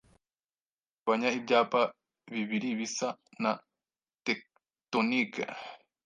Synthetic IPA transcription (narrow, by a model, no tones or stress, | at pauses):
βaɲaibɟaːpa | βiβiɾiβisana | t̪ek̚ | t̪onika̰